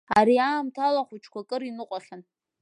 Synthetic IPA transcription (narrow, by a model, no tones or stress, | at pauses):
aɾiaːmtʰalaχʷut͡ʃʰkʷakʼɨɾinɨqʷʼaχʲan